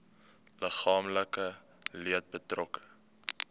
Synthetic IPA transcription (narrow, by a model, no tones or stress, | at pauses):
ləχɑːmləkə | liət̚bətrɔk